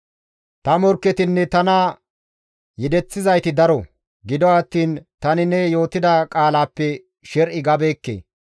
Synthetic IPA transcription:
t̪ɐmɔɾkːɛt̪ɪnːɛt̪ɐna | jɪd̪ɛt͡sːɪzɐjt̪ɪd̪ɐɾɔ | ɡɪd̪ɔwɐt̪ːiːnt̪ɐnɪnɛjo̞ːt̪ɪd̪ɐkʼaːlaːpːɛ | ʃɛɾʔɪɡɐbeːkːḛː

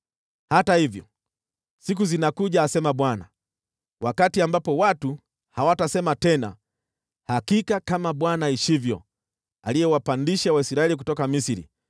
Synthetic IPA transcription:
hatahivjɔ̰ | sik̬uzinakuʄaːsɛmaɓwana̰ | wakatiambapɔwatu | hawatasɛmatɛna̰ | hakikakamaɓwanaiʃivjɔ̰ | a̰lijɛwapandiʃawaisiɾaɛlik̬utɔkamisiɾḭ

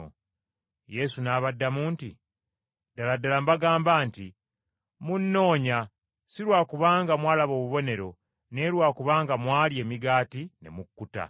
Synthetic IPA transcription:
je̞sunaːβadːamuːntḭ | daladalambaɡaːmbaːnti | munːo̞ːɲa | siɾwaːkuβaːŋɡamwaːlaβo̞ːβuβo̞ne̞ɾo̞ | ne̞ːɾwaːkuβaːŋɡamwaːlje̞ːmiɡaːtine̞̰mukːuta̰

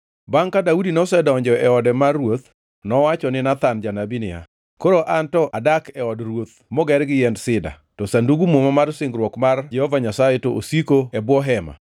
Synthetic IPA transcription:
baŋkadaudinɔsɛdɔɲd͡ʒɔɛɔdɛmarːwot̪ | nɔwat͡ʃɔnɪnat̪and͡ʒanabinɪa̰ | koɾoʔantɔʔadakɛɔdrwot̪̚mɔɡɛɾɡɪjɛndsɪda̰ | tɔsanduɡumomamarsɪŋɡɾwɔkmard͡ʒɛhɔvaɲasaɛtoʔosikoɛbwɔɦɛma̰

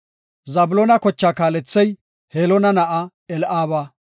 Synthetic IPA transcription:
zɐbʊlɔnɐkɔt͡ʃːaːkaːlɛt͡sːɛj | heːlɔnɐnɐʔɐ | ɛlʔaːβɐ

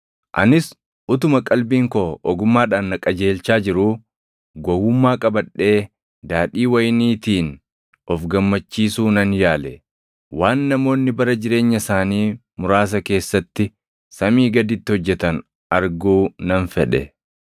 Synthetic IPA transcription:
ʔɐ̰nɪs | ʊt̪ʊmɐkʼɐlbiːŋkoːʔɔɡʊmːaːᶑaːnːɐkʼɐd͡ʒe̞ːlt͡ʃaːd͡ʒɪɾuː | ɡɔwʊmːaːkʼɐbɐɗːe̞ː | d̪aːᶑiːwɐjniːt̪iːn | ʔɔfɡɐmːɐt͡ʃːiːsuːnɐnjaːlɛ | waːnːɐmo̞ːnːɪbɐɾɐd͡ʒɪɾe̞ːɲːɐsaːniː | mʊɾaːs̬ɐke̞ːsːɐt̪ːɪ | sɐmiːɡɐd̪ɪt̪ːɪhɔd͡ʒːɛt̪ɐn | ʔɐɾɡuːnɐnfɛᶑɛ̰

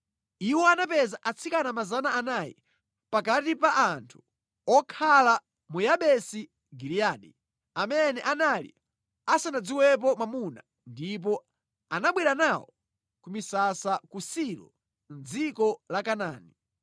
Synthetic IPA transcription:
iwɔanapɛzaʔat͡sʰikanamazanaːnajḭ | pakatipaʔantʰu̥ | ɔkʰala | mujaɓɛsi | ɡiɾiaɗi | amɛnɛʔanalḭ | asanad͡ziwɛp̬ɔmamuna̰ | ndip̬ɔ | anaɓwiɾanawɔ | kumisasakusiɾɔ̰ | nd͡zikɔlakanaːni

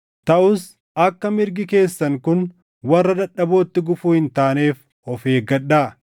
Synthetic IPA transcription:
t̪ɐʔʊs | ɐkːɐmɪɾɡɪke̞ːsːɐŋkʊn | wɐrːɐd̪ɐᶑːɐbo̞ːt̪ːɪɡʊfuːhɪnt̪aːneːf | ɔfe̞ːɡɐᶑːaː

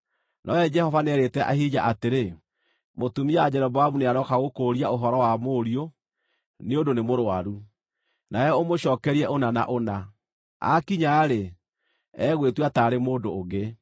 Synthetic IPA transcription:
nʔɔɛd͡ʒɛhɔvanɛɾetɛʔa̰ɦid͡ʒaʔateɾe | motumiad͡ʑɛɾɔβaamuneaɾɔkaɣokoːɾiaoɦɔɾɔwamoːɾijo | neondonemoɾoaɾu | najɛomoɕɔːkɛɾiɛʔonana̰ʔona | a̰kiɲaːɾe | ɛɣwetwataːɾemoːdoːɣɡe

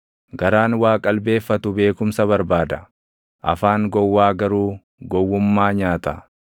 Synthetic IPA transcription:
ɡɐɾaːnwaːkʼɐlbe̞ːfːɐt̪ʊbe̞ːkʊmsɐβɐɾbaːd̪ɐ | ʔɐ̰faːŋɡɔwːaːɡɐɾuː | ɡɔwːʊmːaːɲaːt̪ɐ

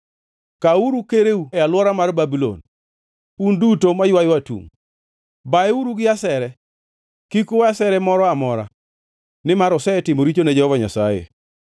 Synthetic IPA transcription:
kauɾukeɾeuɛalwɔɾamarbabilo̰n | pundutomajwajwatṵŋ | baɛuɾuɡɪasɛɾɛ | kikʊwasɛɾɛmɔɾɔamɔɾa̰ | nɪmaɾɔsɛɛtɪmoɾit͡ʃoned͡ʒɛhɔvaɲa̰sajḛ

